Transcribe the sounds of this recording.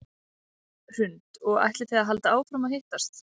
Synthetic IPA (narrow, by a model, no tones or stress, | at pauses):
r̥ʏnt̪ɔɣa̰jht̪lɪθɛɣaɦalt̪aaːwfɾawmaðheht̪ast̪